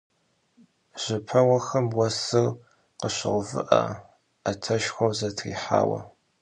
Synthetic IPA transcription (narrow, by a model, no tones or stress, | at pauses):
ʒ̥ɪpʰɐwɐxɐmwɐsɨr | qəɕɪ̰ʁvɨ̰ʔɐ̰ | atʰɐʃxʷɐwzɐtʰrḭːħa̰ːwɐ̰